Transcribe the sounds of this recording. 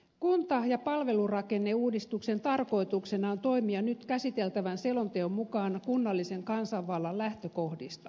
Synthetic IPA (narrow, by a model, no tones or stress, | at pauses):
kunt̪ɑjɑpɑlʋe̞lurɑkenːeuːdist̪ukse̞nt̪ɑrko̞it̪uksenɑont̪o̞imiɑnyt̪kæsit̪elt̪æʋænselont̪eommukɑːnkunːɑlːise̞ŋkɑnsɑʋʋɑlːɑllæht̪økohdist̪ɑ